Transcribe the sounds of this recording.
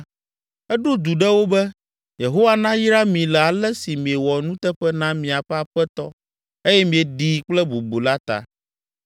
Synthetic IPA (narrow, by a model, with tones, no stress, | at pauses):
ɛ˦ɖo˦d̪u˨ɖɛ˦wo˦bɛ˦ | je˨ɦo˦wa˦nã˦ji˦ɾa˦mĩ˨lɛ˨a˨lɛ˦si˨mĩ˨ɛ˨wɔ˨nũ˦t̪ɛ˦ɸɛ˦nã˦mĩ˨a˨ɸɛ˦a˨ɸɛ˦t̪ɔ̰˦ | e˦jɛ˦mĩ˨e˨ɖi˨k͡plɛ˦bu˨bo˨la˦t̪a̰˨